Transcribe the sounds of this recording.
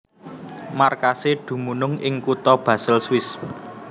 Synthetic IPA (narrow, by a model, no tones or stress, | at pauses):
markaseɖ̪̥ṳmunʊŋɪŋkut̪ɔb̥ä̤sɪlswɪs